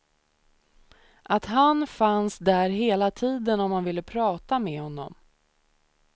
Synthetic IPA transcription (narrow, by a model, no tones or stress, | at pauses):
ʔat̪ɦanfansd̪æɾɦeːlat̪ʰiːd̪ənɔmhanvɪlːəpʰɾɑːt̪amɛhɔnːɔ̰m